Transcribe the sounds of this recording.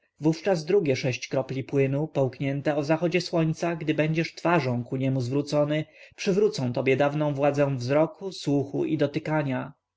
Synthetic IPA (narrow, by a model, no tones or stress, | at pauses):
vuft͡ʂazd̪ɾuɡʲɛʂɛɕt͡ɕkɾɔplʲipwɘnupɔwkɲɛnt̪ɛɔzaxɔd͡ʑɛswɔɲt̪saɡd̪ɘbɛɲd͡ʑɛʂt̪faʐɔ̃w̃kuɲɛmuzvɾut̪sɔnɘpʂɘvɾut̪sɔ̃t̪ɔbʲjɛd̪avnɔ̃w̃vwad̪zɛ̃w̃vzɾɔkuswuxuʔid̪ɔt̪ɘkaɲa